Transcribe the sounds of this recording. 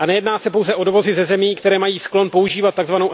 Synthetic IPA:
ʔanɛjɛdnaːsɛpo̞wzɛʔo̞do̞vo̞zɪzɛzɛmiːkt̪ɛɾɛːmajiːsklo̞npo̞uʒiːvat̪ːaɡzvano̞w

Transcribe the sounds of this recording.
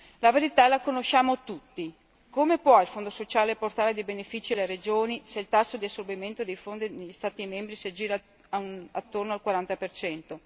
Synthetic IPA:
laveɾit̪alakonoʃaːmot̪ut̪ːi | komepwɔilfond̪osot͡ʃaːleport̪aːɾed̪ebenefit͡ʃialeɾed͡ʒoːniseilt̪asːod̪iasːorbiment̪od̪ejfond̪id̪eʎːist̪aːt̪imembɾised͡ʒiːɾa | nat̪ːornoalkwaɾant̪apert͡ʃɛnt̪o

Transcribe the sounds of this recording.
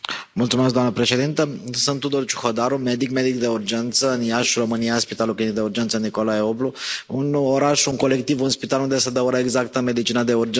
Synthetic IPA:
mult̪sumes̬kd̪oamnəpɾe̞ʃe̞d̪int̪əsənt̪ːud̪olt͡ʃu̥xo̞d̪aɾume̞d̪ikme̞d̪ik̚d̪e̞urd͡ʒent̪səɨnjaʃro̞mɨnijaspit̪alukinid̪e̞urd͡ʒent̪səniko̞laeobluunoɾaʃunko̞le̞kt̪ivunspit̪alund̪esed̪əoɾəeɡzakt̪əme̞d̪it͡ʃinad̪e̞urd͡ʒe

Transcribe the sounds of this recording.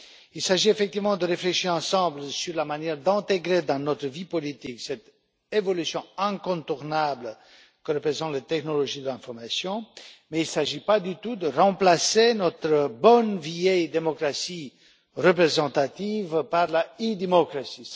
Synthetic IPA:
ilsaʒiefɛk̚t̪ivmɑ̃d̪əʁefleʃiʁɑ̃sɑ̃bləsyʁlamanjɛʁd̪ɛ̃t̪eɡʁed̪ɑ̃nɔt̪χəvipɔlit̪iksɛt̪ | evɔlysjɔ̃ɛ̃kɔ̃t̪uʁnabl | kəʁəpχezɑ̃t̪let̪ɛknɔlɔʒid̪əlɛ̃fɔʁmasjɔ̃mɛilsaʒipad̪yt̪ud̪əʁɑ̃plasenɔt̪ɾəbɔnviɛjd̪emɔkʁasi | ʁəpχezɑ̃t̪at̪ivpaʁlaid̪emɔkχasi

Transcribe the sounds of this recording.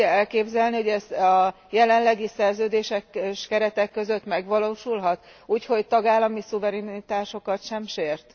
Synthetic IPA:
ɛɛlkeːbzɛlniɦo̞ɟɛzɒ | jɛlɛnlɛɡisɛrzøːd̪eːʃɛkʃkɛɾɛt̪ɛkːøzø̞t̪mɛɡʋɒloːʃulɦɒt̪ | uːcho̞ct̪ɒɡaːlːɒmisuvɛɾinit̪aːʃo̞kɒt̪ʃɛmʃeːrt̪

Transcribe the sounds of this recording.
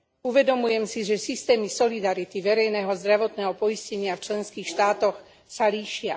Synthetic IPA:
uʋɛd̪ɔmujɛmsiʒɛsist̪ɛːmisɔlid̪aɾit̪iʋɛɾɛjnɛɦɔzd̪ɾaʋɔt̪nɛːɦɔpɔjiscɛɲɪaft͡ʃlɛnskiːxʃt̪aːt̪ɔx | saliːʃɪa

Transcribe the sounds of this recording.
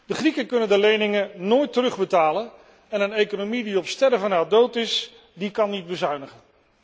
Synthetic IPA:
d̥əχrikəkɵnəndəlejnɪŋənoːjtərɵχbətaːlən | ɛnənejkonomidiɔpstɛɾəvɛnaɹdowtɪs | dikɑnːid̚bəzœɥnəχən

